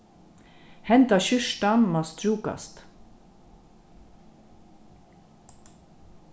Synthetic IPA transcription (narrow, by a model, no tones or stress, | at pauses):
hɛnt̪ɑɕʏʃʈɑnmɑːst̪ɾuːkɑ̰st̪